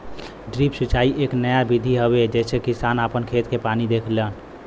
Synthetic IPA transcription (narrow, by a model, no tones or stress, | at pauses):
ɖɾipsut͡ʃaiʔeknəjabid̪ʱiɦəbed͡ʒɛsʰekisanəpənkʰet̪kepanid̪ekʰlən